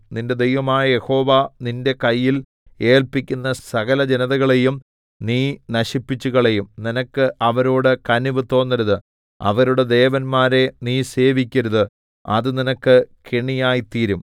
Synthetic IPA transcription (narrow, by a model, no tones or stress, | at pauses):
ninde̞d̪ejʋɐmaːjɐje̞ho̞ːʋaninde̞kɐjːil | e̞ːlpikʲːunːɐsɐɣɐlɐd͡ʑenɐðɐɣɐɭe̞jum | niːnɐɕipːit͡ɕːuɣɐɭe̞jumninɐkːɨʔɐʋɐɾoːɽɨkɐniʋɨt̪o̞ːnːɐɾuðɨ | ɐ̰ʋɐɾuɽed̪e̞ːʋɐnmaːɾe̞niːse̞ːʋikʲːɐɾuðɨ | ɐ̰ðɨninɐkːɨkeɳijaːjit̪iːɾum